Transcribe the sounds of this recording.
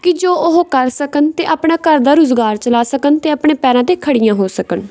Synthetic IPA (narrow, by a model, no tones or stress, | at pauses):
kɪd͡ʒoːʊɦokəɾsəkənt̪eːʔaːpɳaːkəɾd̪aːɾʊzɡaːɾt͡ʃəlaːsəkənt̪eːəpɳeːpɛːɾãːt̪eːkʰəɽɪjãːɦoːsəkən